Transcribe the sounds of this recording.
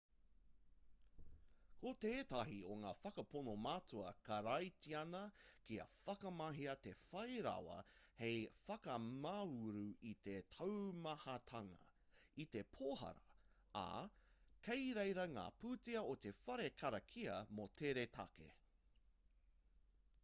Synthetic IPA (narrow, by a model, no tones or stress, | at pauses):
kot̪eːt̪ɐɦioŋaːfɐkɐponomaːtuɐkɐɾɐjtiɐnɐkiɐ̰fɐkɐmɐɦiɐt̪e̞fɐjɾa̰wɐ̰hejfɐkɐmauɾuit̪e̞t̪ʰɐwmɐhɐt̪ʰɐŋɐ̰ | it̪e̞pʰoːhɐ̰ɾɐ | a̰ | kʰejɾejɾɐŋa̰ːpuːtiɐot̪e̞fɐɾekʰɐɾɐkʰiɐmot̪ʰeɾet̪ʰɐ̰kḛ